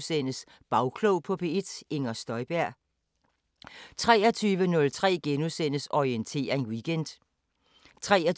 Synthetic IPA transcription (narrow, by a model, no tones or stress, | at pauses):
sen̰əs | b̥ɑ̈ʊkʰloʊpʰɒ̽pʰe̝ed̥e̝ŋɐsd̥ɒ̽ɪb̥æɐ̰ | t͡sʰʁɛːɐt͡sʰyːʋənɔ̽lt͡sʰʁɛ̰ːɡ̥enusen̰əsɒient͡sʰe̝̰ːɐe̝nwiɡ̥end̥ | t͡sʰʁɛːɐ